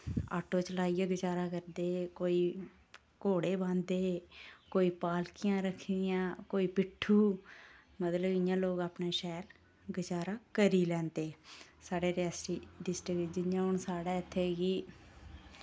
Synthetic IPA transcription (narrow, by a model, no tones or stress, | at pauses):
a̰ːʈoːt͡ʃəlaːijaːɡɪt͡ʃaːɾaːkəɾd̪eːkoːiː | koːɽeːbãːnd̪eːkoːiːpaːlkɪjãːɾəkʰːd̪ɪjãːkoːiːpɪʈʰːuː | mət̪ləbɪjãːloːɡaːpneːʃɛːl | ɡɪt͡ʃaːɾaːkəɾiːlɛ̃ːnt̪eːsaːɖeːɾɛːsʈiːɖɪsʈɪkd͡ʒɪnːjãːɦʊɳsaːɽaːɪt̪ʰːeːɡiː